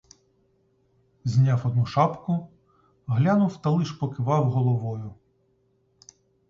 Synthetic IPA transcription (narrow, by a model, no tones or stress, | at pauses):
zʲnʲawɔd̪nuʃɑpkʊ | ɦlʲanʊwt̪ɐlˠɪʃpɔkɪʋɑwɦɔlˠɔʋɔjʊ